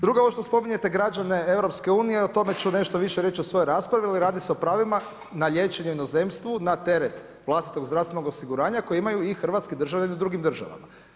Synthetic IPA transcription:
d̪ɾuɡaoʃt̪ospo̞miɲe̞t̪e̞ɡɾad͡ʒane̞eʋvɾo̞pskeuːnije̞ot̪o̞me̞t͡ʃune̞ʃt̪o̞ʋiʃeɾjeːt͡ʃosʋo̞joɾaːspɾaʋialiɾaːd̪iseo̞pɾaːʋima | naʎe̞ːt͡ʃe̞ɲeuino̞ze̞mst̪ʋunat̪e̞ɾet̪ | ʋlˠast̪i̥t̪o̞ɡzd̪ɾaʋst̪enoɡosiɡuɾaːɲako̞jeimajuixr̩ʋat̪skid̪ɾr̩ʒaʋʎaniud̪ɾuɡimd̪r̩ʒa̰ʋa̰ma̰

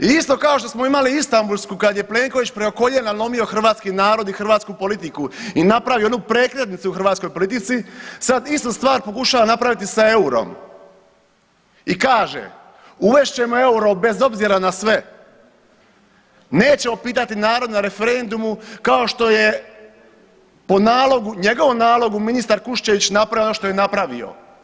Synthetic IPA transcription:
iist̪o̞kao̞ʃt̪o̞smo̞imaliist̪ambulˠskukad̪je̞ple̞ːŋko̞ʋit͡ɕpɾeo̞ko̞ʎenalˠo̞mio̞xr̩ʋaːt̪skinaːɾo̞d̪ixr̩ʋaːt̪skupo̞lit̪ikuinapɾaʋijoonuːpɾe̞ːkɾet̪nit̪suuxr̩ʋaːt̪sko̞jpo̞lit̪it̪sisad̪ist̪ust̪ʋaːɾpo̞kuʃaʋanapɾaʋit̪isae̞uɾo̞̰m | ikaːʒḛ | uʋe̞ʃt͡ɕe̞moe̞uɾo̞be̞zo̞bziɾanasʋe̞ | ne̞ːt͡ɕe̞mo̞piːt̪at̪inaːɾo̞d̪naɾe̞feɾe̞nd̪umukao̞ʃt̪o̞je̞ | po̞naːlo̞ɡuɲe̞ɡo̞ʋomnaːlˠo̞ɡuminist̪aɾkuʃt͡ɕeʋit͡ɕnapɾaeonoʃt̪o̞jenapɾaʋḭo̞̰

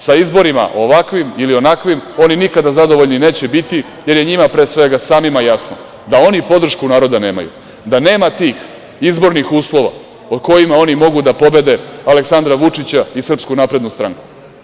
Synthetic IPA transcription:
saizbo̞ɾima̰ʔoʋakʋimilio̞nakʋimo̞ninikad̪azad̪o̞ʋo̞ʎnine̞ːt͡ɕebit̪i | je̞ɾje̞ɲimapɾe̞ːsʋe̞ɡasaːmimajasno̰ | d̪ao̞nipo̞d̪r̩ʃkunaːɾo̞d̪ane̞ːma̰jṵ | d̪ane̞ːmat̪iːx | izbo̞ɾnixuːslˠo̞ʋa̰ | od̪ko̞jimao̞nimo̞ɡud̪apo̞be̞d̪e̞aleksand̪ɾaʋut͡ʂit͡ɕaisr̩pskunapɾe̞d̪nust̪ɾa̰ŋku̥

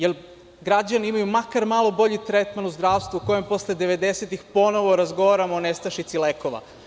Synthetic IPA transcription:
jel | ɡɾad͡ʑaniimajumakaɾmalˠo̞bo̞ʎit̪ɾet̪manuzd̪ɾaːʋst̪ʋuuko̞jempo̞sled̪eʋe̞d̪eset̪ixpo̞no̞ʋo̞ɾazɡo̞ʋaɾamoːnest̪aʃit̪sileko̞ʋa̰

